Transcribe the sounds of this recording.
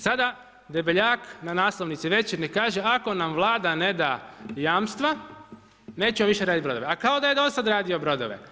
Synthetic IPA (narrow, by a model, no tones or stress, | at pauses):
sad̪a | d̪ebeʎaːknanaːsloʋnit̪siʋe̞t͡ʃiɾnikaːʒeako̞namʋlˠaːd̪ane̞d̪ajaːmst̪ʋa | ne̞ːt͡ɕemoʋiʃeɾaːd̪it̪bɾod̪ʋeakao̞d̪aje̞d̪o̞sad̪ɾaːd̪io̞bɾo̞d̪o̰ʋḛ